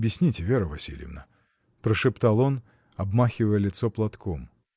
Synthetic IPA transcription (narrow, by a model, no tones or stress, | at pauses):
bʲjɪsʲnʲitʲɪvʲeɾəvɐsʲḭl̰ʲjə̰vnə | pɾəʂɨpt̪alˠon | ɐbmaxʲɪvəjəlʲɪt̪sɔplˠɐt̪kom